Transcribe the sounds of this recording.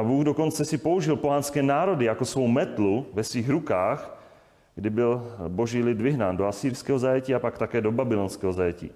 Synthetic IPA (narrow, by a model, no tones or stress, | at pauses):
abuːɣdoko̞nt͡sɛsɪpo̞uʒɪlpoɦanskɛːnaːɾo̞dɪjakosvowmɛt̪luvɛsviːɣɾukaːx | ɡdɪbɪlboʒiːlɪd̪vɪɦnaːndoasiːɾskɛːɦozajɛciːapakt̪akɛːdo̞babɪlonskɛːɦozajɛcḭː